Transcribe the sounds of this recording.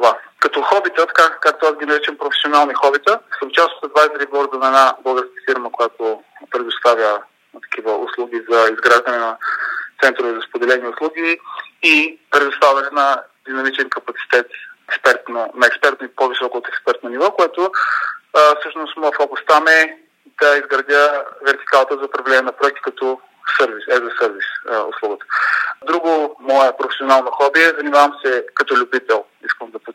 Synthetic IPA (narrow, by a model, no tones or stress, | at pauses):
ovakɐt̪ɔxɔbit̪ət̪ɐ̥kakak̚t̪oazɡʲinɐɾit͡ʃəmpɾofɛ̥sionalˠnixɔbit̪əsəmt͡ʃast̪o̥t̪əd̪vast̪ɾibɔɾd̪ənɐɛnabəlˠɡəɾskə̥fiɾməkojat̪opɾɛd̪ost̪avʲjə | t̪ɐ̥kʰʲivəʔʊ̰slˠuɡʲizɐizɡɾaʒd̪ɐnɛnɐt̪sɛnt̪ɾʊvɛzɐspod̪ɛlɛniʊslˠuɡʲiipɾɛd̪ʊst̪avʲɐnɛnɐd̪inɐmit͡ʃɛnkɐpɐt̪si̥t̪ɛt̪ɛkspɛɾt̪nənɐɛkspɛɾt̪nipovisɔkooːt̪ɛkspɛɾt̪nɐnivɔkoɛt̪o | fsɤʃnʊst̪mɔəfɔbˠɐst̪amɛ | d̪ɐizɡɾɐd̪ʲəvɛɾt̪i̥kalˠt̪əzɐpɾɐvlɛnʲiɛnɐpɾoɛk̚t̪i̥kɐt̪ɔ | sɤɾvisɛzɐsɤɾvisʊ̰slˠuɡət̪ə̥d̪ɾuɡʊmɔɛpɾofɛ̥sʲionalˠnɐxɔbiɛzɐnimavəmsɛkɐt̪ɔlʲʊbit̪ɛlˠ | iskəmd̪ɐpo